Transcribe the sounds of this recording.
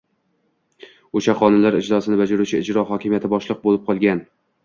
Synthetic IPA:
oʃaχɒnɪnlaɾɪd͡ʒlɒsɪnɪbad͡ʒaɾut͡ʃʰɪɪd͡ʒɾɒɦɒkʲʰɪmijat̪ʰɪbɒʃlˠɨq̚bolɪp̚qʰɒlˠɡʲan

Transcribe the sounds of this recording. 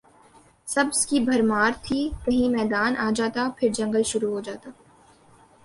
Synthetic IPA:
sɐbskibʱɐɾmaːɾt̪ʰiːkɐɦĩmɛːd̪aːnʔaːd͡ʒaːt̪apʰɪɾd͡ʒɐ̃ŋɡəlʃʊɾuɦod͡ʒaːt̪aː

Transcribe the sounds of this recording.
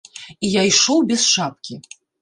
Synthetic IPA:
ijajʂɔwbʲɛsʂap̚kʲi

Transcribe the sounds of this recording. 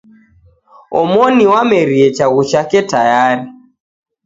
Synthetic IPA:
ɔ̰mɔniwamɛɾiɛt͡ʃaɣut͡ʃakɛtajaɾi

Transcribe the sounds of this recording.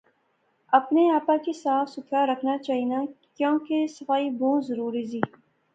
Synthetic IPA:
ɐpneaːpakisaːfsʊkʰaɾɐkʰnat͡ʃaːɦinakjõːkesɐfaːibũːzɐɾuːɾiziː

